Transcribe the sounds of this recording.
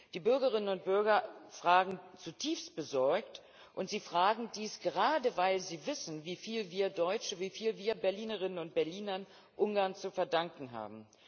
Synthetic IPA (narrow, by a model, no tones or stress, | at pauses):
d̥iːbʏɐɡɐʁ̞ɪnənʊnt̚b̥ʏɐɡɐfʁ̥aːɡŋ̩t͡sutʰiːfst̚b̥əzɔɐkt | ʔʊntz̥iːfʁ̥aːɡŋ̩diːsɡ̥əʁaːdəvaɪlziːvɪsn̩viːfiːlviːɐdɔʏt͡ʃəviːfiːlviːɐbɛɐliːnəʁ̞ɪnənʊnt̚b̥ɛɐliːnɐn | ʔʊŋɡaɐnt͡sufɛɐdaŋkŋ̩ɦa̰ːbm̩